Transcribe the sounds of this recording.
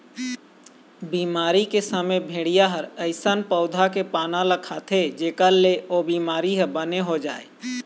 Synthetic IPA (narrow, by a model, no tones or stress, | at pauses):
biːmaːɾikesəməbʱeːɽɪjaɦəɾəɪsənpəʊd̪ʱakepaːnaləkʰːaːt̪ʰed͡ʒeːkəlːeobiːmaːɾiɦəbəneɦod͡ʒaːe